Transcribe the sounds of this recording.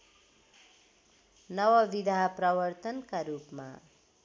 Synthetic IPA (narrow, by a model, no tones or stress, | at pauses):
nʌwʌbid̪ʱaprʌbʌrt̪ʌnkaɾupma̰